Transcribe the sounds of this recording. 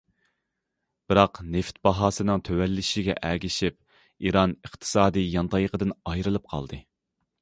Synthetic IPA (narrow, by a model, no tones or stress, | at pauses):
b̥ɨɾɑqneft̪bɑɦɑːsɨnɨŋt̪ʰøwɛlːɪʃɪɡʲɛ̰ʔæːɡʲiʃip̚ | iɾɑnəqt̪ʰɨ̥sɑːd̪ɨjjɑnt̪ʰɑjqəd̪ɨnɑjɾɨlˠɨp̚qʰɑ̰lˠd̪ɨ